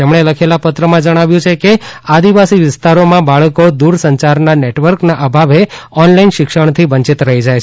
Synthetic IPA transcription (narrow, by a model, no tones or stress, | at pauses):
t̪emɳeləkʰelapət̪ɾəmãd͡ʒəɽ̃aʋjũt͡ʃʰekead̪iʋasiʋɪst̪aɾomãbaɭəkod̪uɾsəɲt͡ʃaɾnaneʈʋəɾknaʔəbʱaʋeɔnlainʃɪkʃəɳ̃t̪ʰiʋəɲt͡ʃit̪ɾəɦid͡ʒajt͡ʃʰ